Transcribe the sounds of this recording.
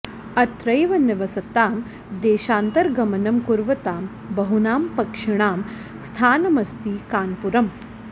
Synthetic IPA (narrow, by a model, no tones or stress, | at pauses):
ɐt̪ɾɐjʋɐnɪʋɐsɐt̪aːm | d̪eːʃaːnt̪ɐɾɡɐmɐnɐmkuɾʋɐt̪aːm | bɐɦunaːmpɐkʂɪɳ̃aːm | st̪ʰaːnɐmɐst̪iːkaːnpuɾɐm